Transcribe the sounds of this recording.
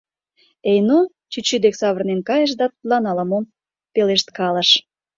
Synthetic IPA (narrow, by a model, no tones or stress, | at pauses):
ejno | t͡ɕyt͡ɕyd̪eksɑβərnenkɑjəʃ̬d̪ɑt̪ut̪lɑnɑlɑmom | peleʃt̪kɑlə̆ʃ